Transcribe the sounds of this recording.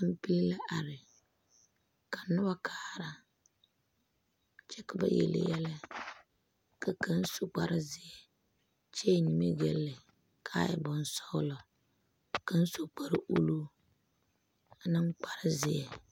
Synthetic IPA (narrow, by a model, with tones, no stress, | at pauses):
m̩˦pi˦li˦la˦ʔa˨ɾɪ˨ | ka˨nʊ˦ba˦kʰaː˦˨ɾa˦ | t͡ʃɛ˦ka˨ba̰˨jɛ̰˨lɪ̰˨jɛ˦la˦ | ka˨kʰa˦n̩˦so˨k͡pa˨ɾɪ˦zɪ˨ɛ˨ | t͡ʃe˦˨ɲi˨me˦ɡɛ˨lːɪ˨ | kʰaː˦jɛ̰˨bʊ˨n˦sɔ˦lɔ˨ | ka˦n̩˦so˨k͡pa˨ɾɪ˦ʔu˦lu˦ | a˨nɨ˦ŋ˦k͡pa˨ɾɪ˦zɪ˨ɛ̰˨